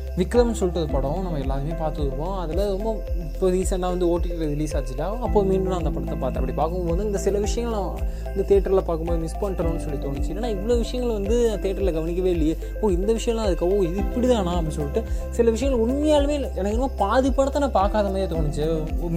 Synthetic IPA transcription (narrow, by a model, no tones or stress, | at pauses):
ʋɪkɾɐmsɔlːɪʈːɐðɯpɐɽõnɐmːɐɛlːaːðɯmeːpaːɾt̪ɯtːɯɾkːõːɐðɐlɐɾɔmbɐ | ɪpːoɾiːsɛnlãːʋɐnd̪ɯoːʈːɪkːɪɾɐɾɪliːsaːt͡ʃːɯʈːaːɐpːoːmiːɳɖɯnaːɐnd̪ɐpɐɳɐt̪ːɐpaːɾt̪ːɐpːɐɽipaːɾkɯoːɐnd̪ɯɪnd̪ɐsɪlɐʋɪʂɐjɐŋɡɐɭlã | ɪnd̪ɐt̪eːʈːɐɾlɐpaːɾkɯmboːðimɪspɐɳɐɾõːɐnːɯsɔlːit̪oːnɪt͡ʃːɯlːeːnːaːɪʋːɐɭoːʋɪʂɐjɐŋɡɐɭʋɐnd̪ɯt̪eːʈːɐɾlɐɡɐʋɐnɪkːɐʋeːɪlːɪjɐ | ɐpːoːɪnd̪ɐʋɪʂɐjɐ̃lãːɐðɯkːɐõɪðɯɪpːɐɽiðãːnãːɐpːɐɽĩsɔlːɪʈːɯsɪlɐʋɪʂ̬ɐjɐ̃ŋɐlʊɳmɐjaːlmeːlɛnɐkːɪnɯmaːpaːðɪpːɐɳɐt̪ːɐnãːpaːɾkaːðɐmaːðɾjeːt̪oːɳɪt͡ʃːɯ